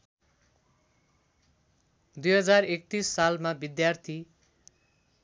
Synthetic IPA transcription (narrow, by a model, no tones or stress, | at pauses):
d̪ujɦʌd͡zarek̚t̪isːalmabid̪jart̪ʰi